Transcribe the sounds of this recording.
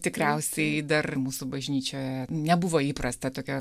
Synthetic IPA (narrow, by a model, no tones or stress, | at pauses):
t̪ʲɪkɾʲɛʊsʲɛɪd̪ɐrmuːsʊbɐʒʲnʲiːt͡ʃʲoːjɛnʲɛbʊʋoːiːpɾɐst̪ɐt̪oːkʲɛ